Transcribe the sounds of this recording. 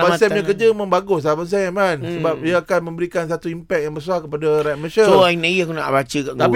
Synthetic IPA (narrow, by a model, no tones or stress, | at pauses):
bãsɛɲəkəd͡ʒəmə̃mbaɡʊs̬apans̬ɛamansəbap̚diaakanmə̃mbəɾikansat̪uimpɛk̚jaŋbəs̬uahkəpadaɾat̪̚mə̃səsoainajəkuna̰ʔbat͡ʃəkaʔk̪a